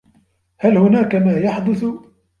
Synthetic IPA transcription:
halhʊnaːkamaːjɑħd̪ʊθ

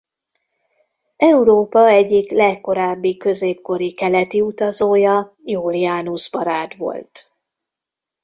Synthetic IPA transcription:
ɛuɾoːpɒɛɟːiklɛkːo̞ɾaːbːikø̞zeːpko̞ɾikɛlɛt̪iut̪ɒzoːjɒ | juːlijaːnuzbɒɾaːt̪ʋo̞̰lt̪

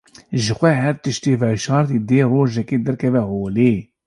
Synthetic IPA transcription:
ʒəxʷɛɦɛɾt̪ɨʃt̪iːvɛʃɑːɾt̪iːd̪eːroːʒɛkeːd̪ɛɾkʰɛvɛhoːleː

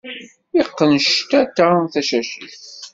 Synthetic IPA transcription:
iqːənʃt̪æt̪ːaθæʃæʃəθ

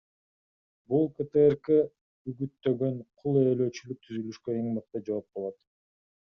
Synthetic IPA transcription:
bulˠkət̪eerke | yɡyt̪ːø̞ɡø̞nqʰulˠeːlø̞ːt͡ʃylyk̚t̪ʰyzylyʃkøe̞ŋmɑq̚t̪ɑd͡ʒɑwop̚bolˠot̪

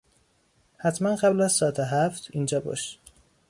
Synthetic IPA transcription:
hæt̪ʰmænɢæblæzsɒːæt̪ʰeɦæft̪ʰiːnd͡ʒɒːbɒ̰ːʃ

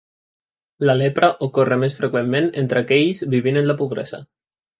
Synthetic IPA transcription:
lalepɾaʔokoremesfɾekwemːenent̪ɾakɛʎzbiβ̞inenlapuβɾḛza̰

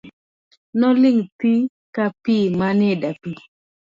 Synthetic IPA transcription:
nɔlɪŋt̪i | kapimanɪdapi

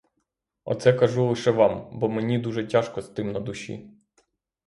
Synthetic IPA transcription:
ɔ̰t̪sɛkɐʒulˠɪʃɛʋɑmbɔmenʲid̪uʒɛtʲaʃkɔst̪ɪmnɐd̪ʊʃʲḭ

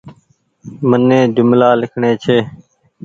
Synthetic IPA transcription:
mənːẽːd͡ʒʊmlaːlɪkʰɳeːt͡ʃʰeː

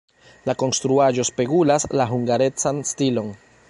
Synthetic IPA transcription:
lako̞nst̪ɾuaʒo̞espe̞kulaslaɦuŋɡaɾe̞t͡sanstilo̞n

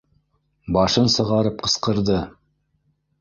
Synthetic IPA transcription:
bɑʃɤnsɤ̆ʁɑɾɤp̚qɤ̆sqɤ̆ɾðɤ

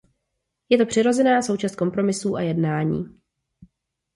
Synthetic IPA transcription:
jɛt̪o̞pr̝̥ɪɾo̞zɛnaːso̞wt͡ʃast̪̚ko̞mpɾo̞mɪsuːʔajɛdnaːɲḭː

